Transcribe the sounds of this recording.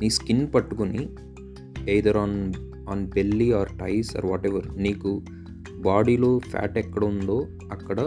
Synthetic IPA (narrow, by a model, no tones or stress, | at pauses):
niːskinpɐʈːuɡuni | ɐjd̪ɐɾaːn | aːnbelːiaːɾʈɐjsa̰ːɾʋɔːʈeʋɐɾniːɡu | baːɽiloːfʰa̰ːʈɛkːɐɽond̪oː | ɐkːɐɽɐ